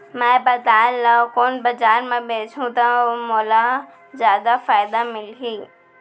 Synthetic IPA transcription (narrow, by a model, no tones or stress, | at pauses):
mɛ̃bɐd̪aːlːakoːnbɐd͡ʒaːɾmẽbeːt͡ʃʰũt̪ɐmoːla | zjaːd̪afaːɪd̪amɪlɦiː